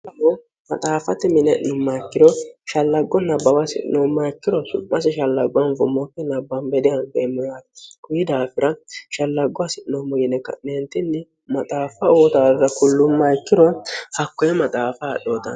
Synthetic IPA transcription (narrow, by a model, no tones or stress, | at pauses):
ɐmɔ | mɐt̪ʼaːfɐt̪ɪmɪnɛʔnʊmːɐɛkːɪd̪ɔʃɐlːɐɡːɔnɐbːɐwasɪ̰ʔɪ̰noːmːaɛkːɪd̪ɔsʊ̰mːɐsɪʃɐlːɐɡʊwɐnvʊmːɔkːɛnɐbːɐmbɛd̪ɪjɐnbemːɪjaːt̪kʊjɪd̪aːfɪɾɐʃɐlːɐɡːʊwasɪʔɪnoːmɔjɪnɛkːɐ̰neːnt̪ɪnːɪ | mɐt̪ʼaːfɐoːt̪azɐkʊlːʊmːaɛkːɪd̪ɔhɐkːɔjɛmɐt̪ʼaːfaːɗoːt̪ɐ̰n